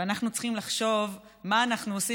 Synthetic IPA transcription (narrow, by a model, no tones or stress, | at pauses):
anaχnut͡sχimlaχʃo̞v | maːnaχnuosi